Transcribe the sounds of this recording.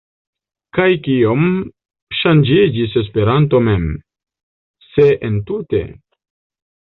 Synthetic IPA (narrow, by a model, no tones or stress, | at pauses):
kajkiom | ʃand͡ʒid͡ʒis̬e̞s̬pe̞ɾanto̞me̞m | seʔentute̞̰